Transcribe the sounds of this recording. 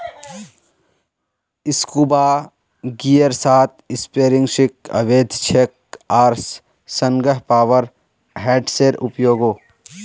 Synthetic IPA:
ɪskubaː | ɡijəɾsaːt̪ɪspeːɾɪ̃ŋɡʃɪkɐ̰ʋeːd̪ʱt͡ʃʰek̚ | aːɾs | sə̃ŋɡəɦpaːʋəɾ | ɦɛːɖseːɾʊ̰pjoːɡoː

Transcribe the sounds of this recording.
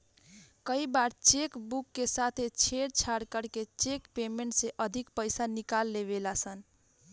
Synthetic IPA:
kəibaɾt͡ʃekbukːesat̪ʰet͡ʃʰeɽt͡ʃʰaɾkəɾket͡ʃekpemeɳʈseʔəd̪ʱikpəjsanikalːeβelasən

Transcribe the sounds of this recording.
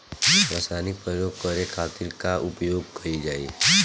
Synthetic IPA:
ʋɐsaːnipɾəjoːɡ̚kəɾekʰaːt̪ɪɾkaʔʊpjoːɡ̚kɐid͡ʒaːḛ

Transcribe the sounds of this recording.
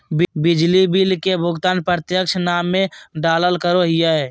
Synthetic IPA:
bbɪd͡ʒlibilkebʱʊɡt̪aːnpɾət̪jəkʃnaːmːẽɖaːləlkəɾoɦɪjaɛ

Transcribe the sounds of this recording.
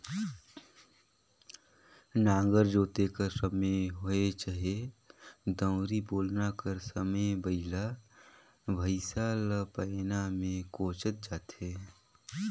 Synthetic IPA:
nãːŋ̆ɡəɾd͡ʒoːt̪ekəɾsəməɦoet͡ʃaɦe | d̪ə̃ʊɾiboːlnakəɾsəməjbəɪla | bʱəɪsalpənamẽkoːt͡ʃət̪̚d͡ʒaːt̪ɦeː

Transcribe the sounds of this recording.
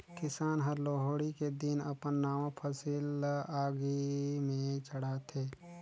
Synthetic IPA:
kɪsaːnɦəɾloːɦoːɽiked̪ɪnə̰pənːaːʋãpʰəsilaːɡimẽt͡ʃəɽaːt̪ʰeː

